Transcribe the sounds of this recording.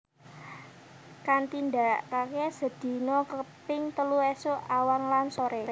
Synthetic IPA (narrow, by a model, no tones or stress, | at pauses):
kant̪ind̪a̤ʔkakesə̤d̪̥i̤nɔkəpɪŋt̪əluesoawanlansoɾɛ